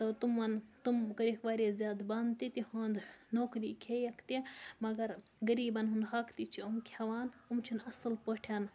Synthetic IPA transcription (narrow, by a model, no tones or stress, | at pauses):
t̪ɐt̪umɐnt̪umkɐɾikʋaːɾezʲjaːd̪bɐnd̪t̪it̪ihɐːnd̪noːkɾikʰejɐkʰt̪imɐɡɐɾ | ɡɐɾiːbɐnɦund̪ɦɐkt̪it͡ʃʰiumkʲʰɐʋaːnumt͡ʃʰinɐsɨlpəʈʰaːn